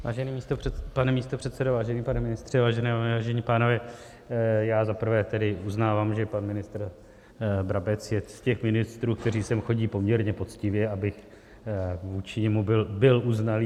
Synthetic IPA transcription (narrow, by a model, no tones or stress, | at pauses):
vaːʒɛniːmiːst̪opanɛmiːst̪opr̝̥ɛt̪sɛdovaːʒɛniːpanɛmɪnɪst̪r̝̥ɛvaːʒɛnɛːvaːʒɛɲiːpaːnovɛː | jaːzapr̩vɛːt̪ɛdɪuznaːvaːmʒɛpanmɪnɪst̪ɾ | bɾabɛt͡sjɛscɛxmɪnɪst̪ɾuːk̚t̪ɛriːsɛmxo̞ɟiːpo̞mɲɛɾɲɛpo̞t͡scɪvjɛabɪx | vuːt͡ʃɪɲɛmubɪlbɪlʔuznaliː